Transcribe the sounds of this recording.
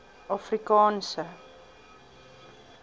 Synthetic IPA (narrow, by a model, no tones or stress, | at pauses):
ɑfrikɑːnsə